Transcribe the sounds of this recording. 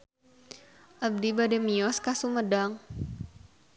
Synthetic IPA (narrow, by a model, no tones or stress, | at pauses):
ʔab̚dibadɛmiɔskasumədaŋ